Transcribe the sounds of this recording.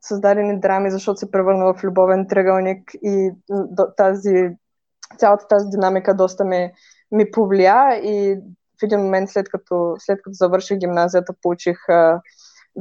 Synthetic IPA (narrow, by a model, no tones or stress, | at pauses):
sɐzd̪ad̪ɛnid̪ɾamizɐʃt̪ɔt̪ʊ̥sɛpɾɛvəɾnəvɐflʲʊbɔvɛnt̪ɾəɡəlˠnʲikid̪ɔt̪azi | t̪sʲalˠɐt̪ə̥t̪azid̪inamikəd̪ɔst̪əmi | mipovliai | fɛd̪inmomɛnt̪slɛt̪kɐt̪ɔslɛt̪̚kɐt̪ɔzɐvɤɾʃixɡʲimnazijət̪əpolˠut͡ʃix